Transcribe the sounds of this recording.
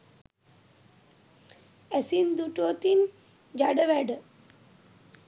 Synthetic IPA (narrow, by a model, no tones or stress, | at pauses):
æsind̪uʈuʋət̪in | d͡ʒaɖəʋæɖə